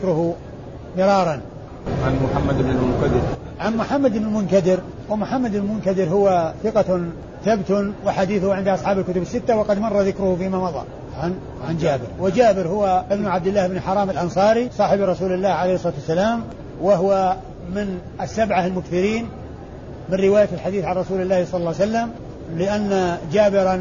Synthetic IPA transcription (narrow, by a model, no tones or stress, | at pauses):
kɾʊhu | mɪɾˤɑːɾˤɑn | ʕanmʊħamːad̪bnɪlmʊntad̪ɪɾ | ʕanmʊħamːad̪ɪbnɪlmʊnk̪ad̪ɪɾ | wɪmʊħamːad̪lmʊnk̪ad̪ɪɾɦʊwaθɪqɑ | θabt̪ʊwɪħad̪iːθʊhʕɪnd̪ʔɑsˤħɑːbɪlkʊt̪ʊbɪsːɪt̪ːawɑqɑd̪mɑrˤːɑðɪkɾʊhʊfiːmamɑðˤɑ̰ | ʕan | ʕand͡ʒaːbɪ̰ɾwɪd͡ʒaːbɪɾhʊwaʔɪbnʊʕab̚d̪ɪlːaːhɪbnɪlħɑɾˤɑːmɪlʔɑnsˤɑːɾisˤɑːħɪbɾˤɑsuːlɪlːaːhʕalejhsˤlɑt̪wasːalaːm | waɦwa | mɪnʔasːabʕahalmʊkθɪɾiːn | mɪnɾɪwaːjaɪlħad̪iːθʕanˤɑsuːlɪlːaːhsˤɑlːɑlːwsalːam | lɪʔanːad͡ʒaːbɪɾa